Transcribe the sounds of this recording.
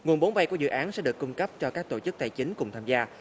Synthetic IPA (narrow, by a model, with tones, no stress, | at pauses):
ŋu˨˩nɓo˨˦nɓa˧jku˧˩əzɨ̰˧˨ʔaː˨˦nsɛ̰˧˥ɗɨ˨˩əkːʊ˧ŋ͡mkə˦˥p̚t͡ɕɔ˧kaː˦˥k̚t̪o˧˩t͡ɕɨ˦˥k̚t̪a˧˩jt͡ɕï˨˦ŋ̟kʊ˨˩ŋ͡mt̪ʰaː˧mzaː˧